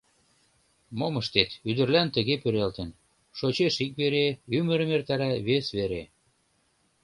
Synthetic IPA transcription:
moməʃt̪et̪yd̪ə̆rlænt̪ə̆ɣepyɾelt̪ən | ʃot͡ɕeʃik̚βeɾeymə̆ɾə̆mert̪ɑɾæβesβeɾe

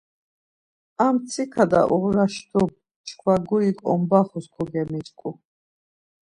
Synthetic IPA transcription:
amt̪sʰikʰad̪a̰ʔuʁɾaʃd̪ɔb̚ | t͡ʃʰkʰwaɡuikʼɔ̰mbaχuskʰɔɡɛmit͡ʃʼkʼu

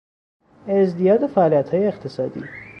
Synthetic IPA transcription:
ezd̪ijɒːd̪efæʔːlijæt̪hɒːjeːqt̪ʰesɒːd̪ḭː

